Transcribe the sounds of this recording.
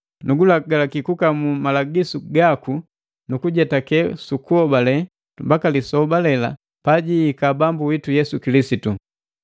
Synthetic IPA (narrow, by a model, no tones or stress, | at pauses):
nuɡulaɡalakikukamumalaɡisuɡaku | nukuɟɛtakɛsukuɔbalɛ | mbakalisɔbalɛla̰ | paɟiːkabambuwitujɛsukilisitu